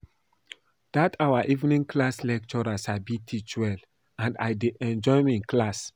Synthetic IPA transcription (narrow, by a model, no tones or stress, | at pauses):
d̥atʰawaʔivnĩŋkʰlaslɛk̚t͡ʃɔɹasabitʰit͡ʃwɛl | ãnda̰jdeʔɛ̃nd͡ʒɔjmiĩnklas